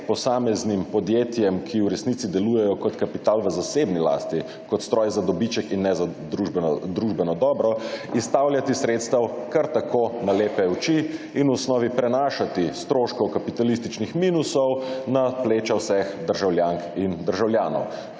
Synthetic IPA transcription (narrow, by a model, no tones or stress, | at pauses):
pɔsaːmɛznimpɔd̪jeːt̪jɛmkʰiwɾɛsnit̪sid̪ɛluːjɛjɔkɔt̪kapit̪aːlʋəzaseːbnila̰ːst̪i | kɔt̪st̪ɾɔːjzad̪ɔbit͡ʃɛkinːɛzaud̪ɾuʒbɛnɔd̪ɔːbɾɔist̪awljat̪isɾeːt̪st̪awkaɾt̪akʰonaleːpɛuwt͡ʃi | inwɔsnɔːʋipɾɛnaːʃat̪ist̪ɾoːʃkɔkapit̪alist̪it͡ʃnixmiːnusɔwnapleːt͡ʃawsɛxd̪əɾʒawljaŋkind̪əɾʒawljaːnɔ̰w